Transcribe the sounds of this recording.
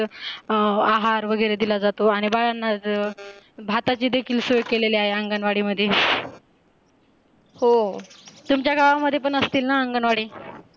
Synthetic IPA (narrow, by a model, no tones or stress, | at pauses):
aɦaɾʋəɡəjɾed̪ilad͡zat̪oaɽ̃ibaɭanːad͡z | bʱat̪at͡ɕiːd̪ekʰiːlsojkeleleaɦeəŋɡənʋaɽiːməd̪ʱːje | ho | t̪umt͡ɕjaɡaʋaməd̪ʱːjep̬əɳəst̪iːlnaəŋɡənʋaɽiː